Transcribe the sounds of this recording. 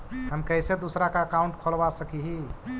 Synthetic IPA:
ɦəmkəjsed̪osɾakaəkaũɳʈkʰəlbasəkiɦi

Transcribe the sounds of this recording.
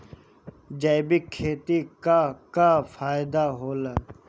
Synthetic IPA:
d͡ʒɐɪbɪkʰːeːt̪ikakafaːjɪd̪aɦoːlaː

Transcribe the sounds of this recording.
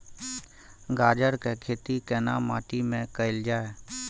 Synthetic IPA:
ɡaːd͡ʒəɾkekʰeːt̪ikenaːma̰ːʈimẽkəɪld͡ʒaːe

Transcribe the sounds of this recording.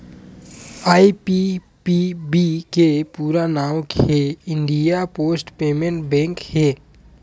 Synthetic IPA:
aːipi | pibikepuːɾanaːwkeɪɳɖijapoːsʈpeːmẽɳʈbɛ̃ːŋkheː

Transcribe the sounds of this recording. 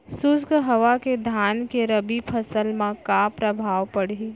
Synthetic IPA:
sʊsɡɦəʋaked̪ʱaːnkeɾəbipʰəsəlmãkapɾəbʱaːʋpəɽ̤i

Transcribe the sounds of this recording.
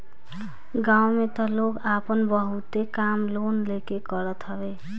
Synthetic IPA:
ɡawmet̪ɔloɡapənbəɦut̪ekamlonlekekəɾət̪ɦəbe

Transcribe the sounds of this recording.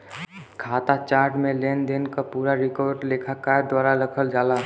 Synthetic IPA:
kʰat̪at͡ʃaːɾʈmẽlend̪inkapuːɾaɾɪkɔɾɖlekʰakad̪waːɾaɾəkʰəld͡ʒaːla

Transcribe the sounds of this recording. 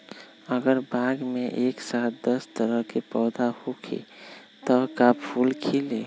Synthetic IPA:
əɡəɾbʱaɡmeʔeksat̪̚d̪əst̪əɾəɦkepɔːd̪ahokʰḛ | t̪ɔkappʰulkʰile

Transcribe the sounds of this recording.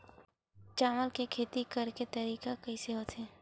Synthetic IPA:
t͡ʃaːməlkekʰeːt̪ikɐɾket̪ɐɾiːkakɐiseɦot̪ʰɦɛː

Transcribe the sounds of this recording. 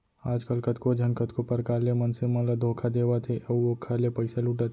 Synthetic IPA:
aːd͡ʒkəlkət̪kod͡ʒʱɐnkət̪kopɐɾkaːlemɐnsemɐ̃lad̪ʱoːkʰad̪eːʋat̪ʰeɐuokʰaːlepəɪsalʊʈat̪ʰ

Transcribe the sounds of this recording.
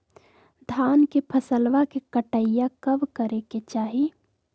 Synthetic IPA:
d̪ʱaːnkepʰəsəlʋakekəʈəjakəbkəɾeket͡ʃaːɦi

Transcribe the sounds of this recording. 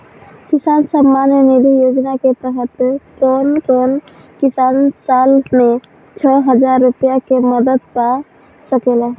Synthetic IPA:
kɪsaːnsəmːaːnjənelijoːd͡ʒnaket̪əɦət̪konkoːn | kɪsaːnsaːlmẽ | t͡ʃʰɔːɦəd͡ʒaɾːʊpijakeməd̪əd̪ka | səkelɛː

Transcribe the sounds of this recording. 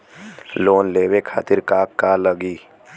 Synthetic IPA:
loːnleːwekʰa̰ːt̪ɪɾkaːkːaləɡiː

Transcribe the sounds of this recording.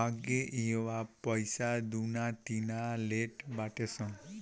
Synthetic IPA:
aɡeʔeʋapəjsad̪unat̪inaleʈbaʈesɔ̃ŋ

